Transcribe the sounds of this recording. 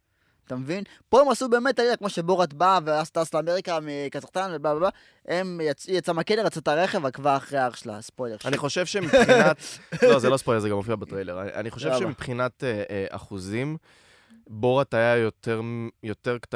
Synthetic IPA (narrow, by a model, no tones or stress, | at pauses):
at̪amevin | po̞e̞masube̞ːme̞t̪alidakmo̞ʃe̞boʁat̪baveast̪aslaːmeʁikamikazaχt̪anvebababa | emjat͡sujat͡samakeleʁat͡sat̪aʁeχevalkvaaχʁeaaʁʃla̰spojle̞aniχo̞ʃevʃemipχnat̪lozelospojle̞ʁzeɡamofiabat̪ʁejleʁaa̰niχoʃevʃemipχinat̪a̰χuzim | boʁat̪ajajot̪eʁjo̞t̪eʁkt̪